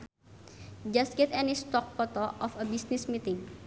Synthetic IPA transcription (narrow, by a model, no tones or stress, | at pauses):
d͡ʒas̚ɡ̥ɛt̪ɛnistɔk̚pɔt̪ɔʔɔfəbisnismit̪ɪ̃ŋ